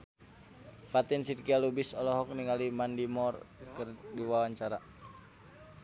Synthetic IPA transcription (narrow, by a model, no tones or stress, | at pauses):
pat̪insirkialubisɔlɔɦɔk̚niŋalimandimɔrkərdiwawaɲt͡ʃaɾa